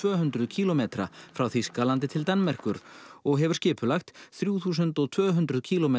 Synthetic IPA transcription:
vœːɦʏnt̪ɾʏðcʰiːlɔmeːt̪ɾa̰fɾawθiskaːlant̪ɪt̪ʰɪlt̪anːmɛr̥kʏɾɔɣɦɛvʏɾ̥scɪːpʏlaxt̪θɾjuːθuːs̬ʏnt̪ɔɣt̪ʰv̥œːɦʏnt̪ɾʏðcʰiːlɔmeː

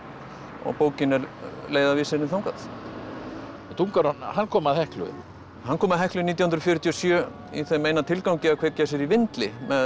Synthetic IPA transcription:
ɔ̰ɣpoːwcɪnɛɾleːjðavɪːsɪɾnɪθawŋkaθ | ɛt̪ʰuŋkaɾanhanːkʰɔːmaðhɛhklʏ̰ | hankʰɔːmaðɦɛhklʏniːt̪jahʏnd̪ɾɔfjʏɾʏt̪ʰiɔsjœː | ḭθejmeːjnat̪ʰɪlkawcɪakʰvɛcːas̬jɛɾivɪnt̪lɪmɛ

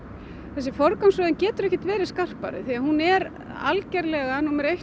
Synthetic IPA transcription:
θɛsːɪfɔɾkawnsvœːðɪncɛːt̪ʏɾɛhcɪt̪vɛːɾɪskar̥pa̰ɾɪ̰θiaðhunɛɾ | a̰lcɛɾlɛɣanumɛɾejh

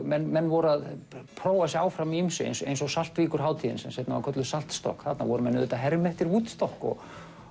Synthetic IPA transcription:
mɛnːmɛnːvɔɾaðpʰɾoːwasɛaːwfɾamiimsʏ̰ḛjnsḛjnsɔsal̥t̪viːkʏɾ̥ɦaːwt̪ʰiːðɪ̰nsɛmsejt̪nava̰kʰœt̪lʏsal̥t̪st̪ɔ̰hkθat̪navɔɾʏmɛnːʏðɛt̪aɦɛɾmɛht̪ɪɾuːt̪st̪ɔhkɔ̰ɣ

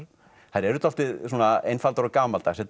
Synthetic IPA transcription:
ɾ | haɾɛɾʏt̪ɔflt̪ɪðsuːnaejnfalt̪aɾɔkaːmalt̪aːsɛt̪

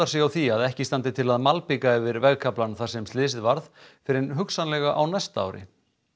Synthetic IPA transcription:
aɾsɛawθiaðɛhcɪst̪ant̪ɪt̪ʰɪlaðmalpɪkaɛvɪɾvɛɣkʰaplanθḁsɛmst̪lɪːsɪðvaɾðfɪɾɪnɦʏksanlɛɣaʔawnɛst̪a̰ːwɾɪ̰

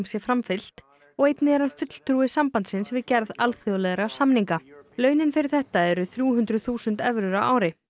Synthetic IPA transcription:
msjɛfɾamfɪl̥t̪ | ɔɣejt̪nɪɛɾhanfʏt̪l̥t̪ɾuɪsampant̪sɪnsvɪðcɛɾðalθjɔlɛɣɾasamniŋkalœːɥnɪnfɪɾɪɾ̥θɛht̪aɛɾʏθɾjuːɦʏnt̪ɾʏθuːsʏnt̪ɛvɾʏɾaʔa̰ːwɾɪ

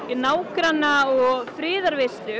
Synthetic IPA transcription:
naːwkɾanːaɔɣfɾɪːðaɾvest̪ʏ

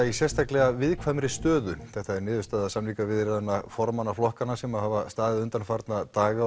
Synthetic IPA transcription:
aisjɛst̪aklɛɣavɪðkʰvajmɾɪst̪œːðʏθɛht̪aɛɾnɪːðʏst̪aːðaðsamliːkavɪðɾɛðanːafɔɾmanaflɔhkanasɛmaðɦhaːvast̪aːðɪðʏnt̪anfaɾt̪nat̪aːɣa

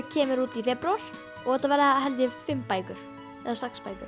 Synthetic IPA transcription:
cʰɛːmɪɾuːt̪ifɛpɾaɾ̥ | ɔɣɛt̪ːavɛɾɪaɦɛlt̪jɛfɪmːpaːjkʏɾ̥ | ɛ̰ðasakspajkʏ̰ɾ

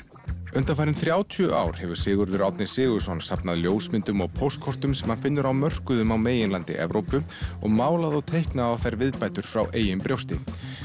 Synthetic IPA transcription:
ʏnt̪anfaːɾɪnθɾjaːwt̪ʰʏʔa̰ːwɾ̥hɛvʏɾ̥sɪːɣʏɾðʏɾawt̪nɪ̥sɪːɣʏɾ̥sɔnsapnaðljoːwsmɪnt̪ʏmɔɣpʰowst̪̚kʰɔr̥t̪ʏmsɛmhanfɪnːʏɾawmœr̥kʏðʏmawmeːjɪnlant̪ɪ̰ʔɛ̰vɾowpʏ | ɔ̰ɣmaːwlaðɔwt̪ʰejhknaðawθajɾvɪðpajt̪ʏɾ̥fɾawʔeːjʏmpɾjowst̪ɪ

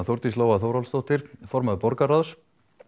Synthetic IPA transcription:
θowɾt̪isloːwaθowɾalst̪owht̪ɪɾ̥fɔɾmaðpɔɾkaɾaðs

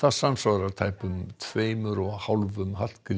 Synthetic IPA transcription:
θasansvaɣɾaɾt̪ʰaːjpʏmt̪ʰveːjmʏɾɔɣhawlvʏmɦal̥kɾ

